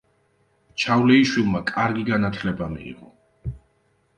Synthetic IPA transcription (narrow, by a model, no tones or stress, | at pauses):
t͡ʃʰavlɛiʃwilˠmakʼaɾɡiɡanat̪ʰlɛbamḭːʁɔ